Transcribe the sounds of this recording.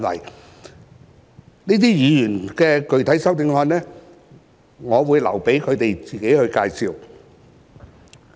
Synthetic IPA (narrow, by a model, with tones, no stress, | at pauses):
nwɐ̰˨˩j | niː˥t̪iː˥jyː˨˧jyː˨˩nkɛː˧kɵ˨˧ɥt̪ʰɐ˨˥jsɐ˥wt̪ɪ˧ŋhɔː˧nlɛː˥ | ŋɔː˨˧wuː˨˧jlɐ˨˩wpe˨˥jkʰɵ˨˧t̪e˨jt͡siː˨ke˨˥jhɵ˧ɥkaː˧jsiː˨˧w